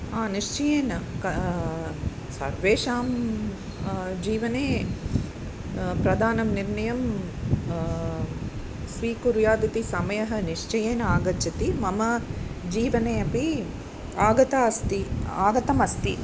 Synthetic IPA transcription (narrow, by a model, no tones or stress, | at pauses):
aːniʂt͡ʃɐjeːnɐkɐ | sɐ̰ɾʋeːʂaːm | d͡ʒiːʋɐneː | pɾɐd̪ʱaːnɐmniɾnɐjɐm | sʋiːkuɾjaːd̪it̪isɐmɐjɐɦɐ̆niʂt͡ʃɐjeːnɐaːɡɐt͡ʃɐt̪imɐmɐd͡ʒiːʋɐneːɐpi | aːɡɐt̪aːɐst̪iaːɡɐt̪ɐmɐst̪i